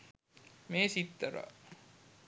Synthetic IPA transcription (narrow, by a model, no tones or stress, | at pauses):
meːsit̪ːəɾɑ̰